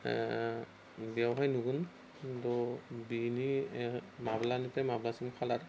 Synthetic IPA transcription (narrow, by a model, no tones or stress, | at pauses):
biawɦajnuɡun | dɔbini | mablanitɛmablasimkʰalaɾ